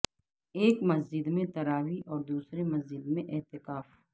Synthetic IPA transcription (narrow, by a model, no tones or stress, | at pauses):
eːkmɐsd͡ʒɪd̪mẽt̪ɐɾaːwiʔɔːɾd̪uːsɾemɐzd͡ʒɪd̪mẽʔɪɦt̪ɪkaːf